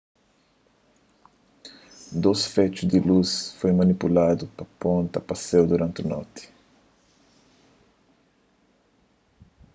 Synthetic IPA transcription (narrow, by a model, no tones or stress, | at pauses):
d̪osfet͡ʃud̪ilusfojmɐnipulad̪ʊpɐpõnt̪ɐpɐsewd̪uɾɐ̃nt̪unɔ̰t̪ɪ̥